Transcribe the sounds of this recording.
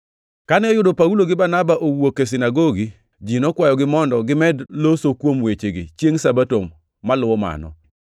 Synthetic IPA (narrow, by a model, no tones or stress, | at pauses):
kanɛɔjʊdopauloɡɪbanabaʔowokesɪnaɡoɡi | d͡ʒinɔkwajɔɡɪmɔndɔɡɪmɛdlosokwomwet͡ʃeɡḭt͡ʃjeŋsabatomː | alʊwɔma̰nɔ̰